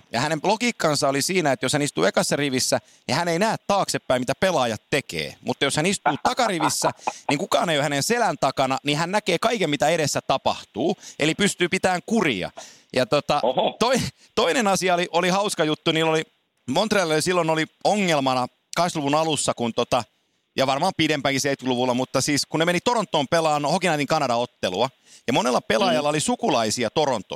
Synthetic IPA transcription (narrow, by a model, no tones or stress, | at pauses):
jɑ̰hænemlokiːkːɑnsɑolisiːnæet̪joshænist̪ṵːekɑsːɑriʋisːæ | nihæneinæːt̪t̪ɑːksepːæimit̪æpelɑːjɑt̪ːekḛːmut̪ːɑjoshænist̪uːt̪ɑkɑriʋisːæniŋkukɑːneijohænenselænt̪ɑkɑnɑnihænnækeːkɑikemmit̪æeɾesːæt̪ɑpɑ̰ht̪uːʔelipyst̪yːpit̪æːŋkurḭɑ̰ | jɑt̪ot̪ɑt̪oi | t̪oinenɑsiɑoliʔolihɑuskɑjut̪ːuniːlːoli | mont̪reɑlolisilːonolioŋːelmɑnɑ | kɑksluʋunɑlusːɑkunt̪ot̪ɑ | jɑʋɑrmɑːmpidempæŋkiseit̪̚kluʋulːˑɑmut̪ːɑsiːskunnemenit̪oront̪ːoːmpelɑːnhokinɑːt̪iŋkɑnɑdɑot̪ːeluɑ | jɑmonelːɑpelɑjɑlːɑolisukulɑisiɑt̪oront̪ːˑo̰